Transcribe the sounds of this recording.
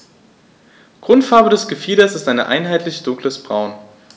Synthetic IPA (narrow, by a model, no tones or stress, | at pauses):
ɡ̥ʁ̥ʊntfaɐbədɛsɡ̥əfiːɾɐsɪstʔaɪnəʔa̰ɪnɦaɪtʰlɪçd̥ʊŋkləsb̥ʁaʊn